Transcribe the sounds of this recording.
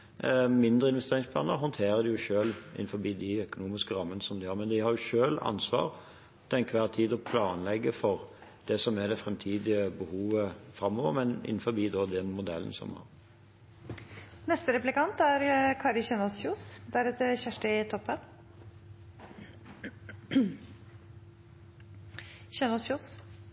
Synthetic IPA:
mɪnd̪ʁəɪnʋɛst̪eːʁɪŋspʰlɑːnəɦɔnt̪ʰeːʁəd̪ɪjʊʃøːlʔɪ̰nfɔbiːd̪ɪœkʊnuːmɪskəɾɑmːənəsɔmd̪ɪhɑːɾmɛnd̪ɪhɑɾjʊʃøːlɑ̰nsʋɑ̰ːʁ | t̪ɛnkʰʋæːʁt̪ʰiːd̪ɔpʰlɑːnlɛɡːəfɔʁ | d̪̥ɛsɔmɛd̪ɛfɾɛmt̪ʰiːd̪ɪəbəhuːʋəfɾɑmːoːʋə̰ɾmɛnɪ̰n̩fɔbiːd̪ɔd̪ɛnmʊd̪ɛln̩sɔ̰mɑ̰ʁ | nɛst̪əɾɛplɪkɑnt̪æɾkʰɑːɾɪçɛnɔsçuːsd̪æɾɛt̪əçæʂʈəɪt̪ʰɔpːən | çɛnɔsjuːs

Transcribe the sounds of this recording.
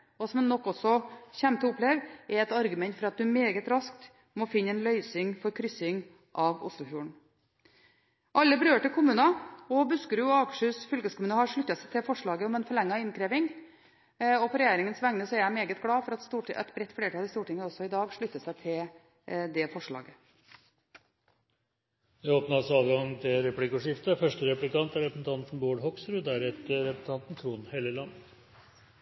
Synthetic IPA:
ɔsɔmnɔkːɔsɔçæmt̪ʰɔʊpːleːʋɛɾɛt̪ɑɾɡʉmɛnt̪fɔɾɑt̪̚d̪ʉmeːɡət̪ɾɑsk̚t̪ | mɔfɪnːəɛːnlœʏsɪŋfɔɾkʰɾʏsɪŋ | ʔɑʋʊ̰slʊfjuːɳ̩ | ʔɑlːəbəɾøːʈɪlkʊmʉːnɑɔbʉskəɾjʊɑkʂəsfʏlkəskʊmʉːnəhɑɾʂɭʉt̪ːɑsæɪt̪ʰɪlfɔʂɭɑːɡəɔmɛnfɔɭɛŋːɑɪnkʰɾeːʋɪŋ | ɔpʰɔɾɛjeːɾɪŋənsʋæŋnəsɔæɾjæɪmeːɡət̪ɡɽɑːfɔɾɑt̪st̪uːʈɛt̪bɾɛt̪ːfleːəʈʰɑːlɪst̪uːʈɪŋːəɔsːɔɪd̪ɑːɡʂɭʏt̪ːəsæɪt̪ʰɪl | d̪ɛfɔʂɭɑ̰ːɡə | jæoːpnəɑsɔɑːʋɡɑŋt̪ʰɪlɾɛplɪkːɔʂɪft̪əfœʂʈəɾɛplɪkɑnt̪æɾɛpsn̩t̪ʰɑnt̪n̩boːɖɦɔksɾʉd̪æɾɛt̪əɾɛpsn̩t̪ɑnt̪n̩t̪ʰɾuːnheːləlɑnːə

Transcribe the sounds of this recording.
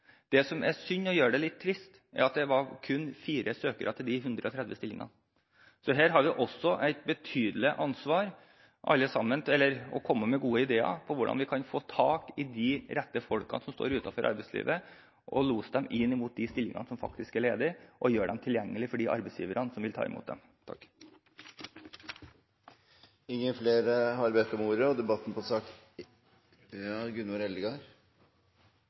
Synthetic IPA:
d̪̥ɛsɔmæsʏnːɔjøːɖɛlɪt̪ʰːɾɪst̪ | æ̰ɾɑt̪̚d̪ɛʋɑɾkʰʉnːfiːɾəsøːkəɾʔɑt̪ʰɪld̪ɪɦʉnd̪ɾəɔt̪ʰɾɛd̪ʋəst̪ɪlːɪŋɑ̰n | sɔɦæːɾɦɑɾʋɪʔɔsːɔʔæɪt̪̚bət̪ʰyːd̪lɪʔɑnsʋɑːɾ | ʔɑ̰lːəsɑmːənɛlːəɾɔkʰɔmːəmɛɡuːəɪd̪eːɑ̰pʰɔʋʊɖɑ̰nʋɪkʰɑnfoːt̪ʰɑːkɪd̪ɪɾɛt̪ːəfɔlkɑ̰nsɔmst̪o̰ːɾʉːt̪ɑfɔɾʔɑ̰ɾbɛɪslḭːʋə | ʔɔluːsd̪ɛmɪnːɪmuːt̪̚d̪ɪst̪ɪlːɪŋɑ̰nsɔmfɑ̰kt̪ɪskæɭeːd̪ɪʔɔjøːɖɛmt̪ʰɪljɛŋːəlɪfɔɖiʔɑ̰ɾbɛɪsjiːʋəɾənsɔmʋɪlt̪ʰɑ̰ːɪ̰mṵːt̪̚d̪ɛ̰m | t̪ʰɑ̰kː | ɪŋːənfleːɾəhɑɾbɛt̪ːəɔmuːɾəɔd̪ɛbɑt̪ːn̩pʰɔsɑːk | ɡʉnʊɾɛlɡɑɾ

